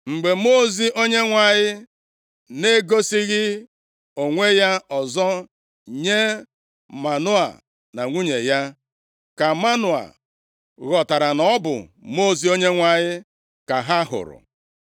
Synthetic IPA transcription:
ŋ͡m̩˨ɡ͡be˨mo˦zi˦ʔo˦ɲe˦ŋʷa˨ɲɪ˦ | ne˦ɡo˦si˦ɣɪ˦ | o˨ŋʷe˦ja˦ɔ˨zɔ˦ | ɲe˦ | ma˨nʊ˦a̰˨ | na˨ŋʷu˦ɲe˨ja˦ | ka˨ma˦nʊ˨a̰˨ | ɣɔ˨ta˨ɾa˨nɔ˦bʊ̰˨mo˦˨zi˨o˦ɲe˦ŋʷa˨ɲɪ˦ | ka˨ɦa˦ɦʊ̰˨ɾʊ̰˨

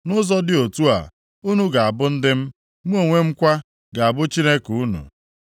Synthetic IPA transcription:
nʊ˦zɔ˦dɪ˦o˨tu˦a̰˨ | u˦nu˦ɡa˨a˨bʊ˦n̩˦dɪ˦m̩˦ | m̩ʷ˦o˦˨ŋʷe˦m̩˦kʷa˦ | ɡa˨a˨bʊ˦t͡ʃi˦ne˦ku˦nṵ˨

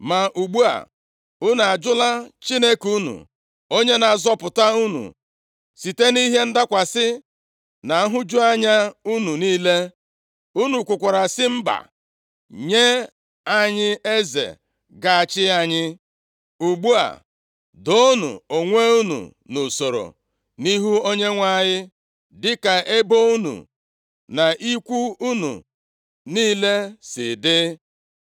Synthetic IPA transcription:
ma˨ʔu˨ɡ͡bu˦a̰˨ | ʊ˦na˨a˨d͡ʒʊ˦la˦t͡ʃi˦ne˦ku˦nṵ˨ | o˦ɲe˦na˨zɔ˦pʊ˨ta˦u˦nṵ˨ | si˨te˦ni˦ɦe˦n̩˦da˦kʷa˨sɪ˦ | na˨˦ɦʊ˦d͡ʒu˦a˦ɲa˦u˦nu˨niː˦le˦ | u˦nu˨kʷʊ˨kʷa˨ɾa˨sɪ˦m̩˦ba̰˨ | ɲe˦ | a˦ɲɪ˦e˦zḛ˨ | ɡa˨a˨t͡ʃɪ˦a˨ɲɪ˦ | u˨ɡ͡bu˦a̰˨ | do˦nṵ˨o˨ŋʷe˦u˦nṵ˨ | nu˨so˨ɾo̰˨ | ni˦ɦu˦o˦ɲe˦ŋʷa˦˨ɲɪ˦ | dɪ˦ka˨ʔe˦bo˦u˦nṵ˨ | na˨ʔi˦kʷu˦u˦nṵ˨ | niː˦le˦sɪ˨dɪ˦

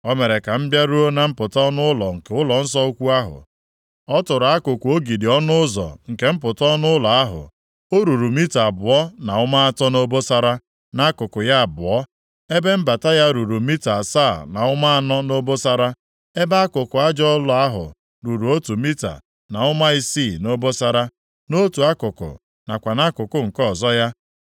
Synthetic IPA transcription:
ɔ˦me˨ɾe˨ka˨m̩˦bja˦ɾu˦o˦na˨m̩˦pʊ˨tɔ˦nʊ˦ʊ˦lɔ̰˨ŋ̩˨ke˨˦ʊ˦lɔ˨n̩˦s̬ɔ˦o˦kʷu˦a˦ɦʊ̰˨ | ɔ˦tʊ˨ɾa˦kʊ˨kʊ˨o˦ɡi˨di˨ɔ˦nʊ˦ʊ˦zɔ̰˨ŋ̩˨ke˦m̩˦pʊ˨tɔ˦nʊ˦ʊ˦lɔ˨a˦ɦʊ̰˨ | o˦ɾu˨ɾu˨mi˦ta˨a˨bʊ˨ɔ˦na˨ʊ˦ma˦a˦˨tɔ˦no˦bo˦sa˨ɾa˦ | na˦a˦kʊ˨kʊ˨ja˦a˨bʊ˨ɔ˦ | e˦be˦m̩˦ba˨ta˦ja˦ɾu˨ɾu˨mi˦ta˨sa˦˨na̰˨ʊ˦ma˦a˦nɔ˦no˦bo˦sa˦ɾa˦ | e˦ba˦a˦kʊ˨kʊ˨a˦d͡ʒɔ˦lʊ˨˦a˦ɦʊ̰˨ | ɾu˨ɾu˨o˦tu˨mi˦ta̰˨ | na˨ʊ˦ma˦i˦si˦˨no˦bo˦sa˨ɾa˦ | no˦tu˨a˦kʊ˨kʊ̰˨ | na˨kʷa˨na˦kʊ˨kʊ˦ŋ̩˨kɔ˦˨zɔ˦ja˦

